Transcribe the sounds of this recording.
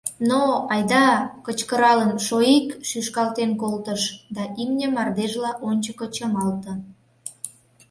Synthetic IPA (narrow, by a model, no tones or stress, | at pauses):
noɑjd̪ɑkət͡ɕkəɾɑlənʃoikʃyʃkɑlt̪enkolt̪əʃd̪ɑʔimnʲə̆mɑrd̪eʒlɑʔonʲt͡ɕəkət͡ɕəmɑlt̪ə̆